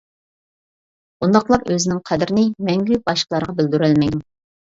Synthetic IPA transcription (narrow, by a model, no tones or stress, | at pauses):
bund̪ɑqlˠɑɾøzɪnɪŋqʰɛd̪ɪɾɪnɪmɛŋɡʲybɑʃqlˠɑɾəʁɑbɪld̪yɾɛlmɛjd̪u